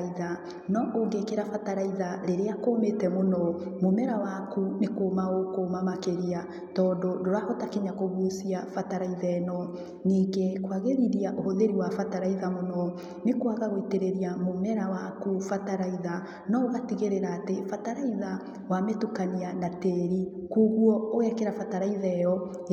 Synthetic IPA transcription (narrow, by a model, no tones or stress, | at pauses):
iða | nɔʔoŋɡekeɾafataɾaiðaɾeɾeakoːmetɛmonɔmomɛɾawakunekoːmaokomamakeɾia | tɔːndodoɾahɔtakeɲakoβusiafataɾaiðaɛnɔ | niːɡekwaɣeɾiɾiaʔohoðeɾiwafataɾaiðamonɔ | nekwaɣaɣoiteɾeɾiamomɛɾawakufataɾaiða | nɔoɣatiɣeɾeɾaːtefataɾaiða | wametukanianateɾikuɣwɔoɣɛkeɾafataɾaiðɛjɔ